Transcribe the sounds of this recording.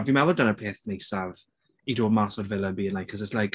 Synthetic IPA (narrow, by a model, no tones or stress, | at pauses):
vimɛlˠɔdanəpʰeːθnejsav | idoːmasɔdvɪlˠənbiːənlajkʰəszəslajk